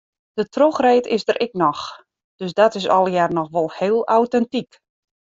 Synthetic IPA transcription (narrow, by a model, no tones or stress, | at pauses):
d̥ətroxreːtɪsdəɾʔɪknɔx | d̥øsdɔtɪsɔlˠəjarnɔxʋolˠheːlˠawtɛntik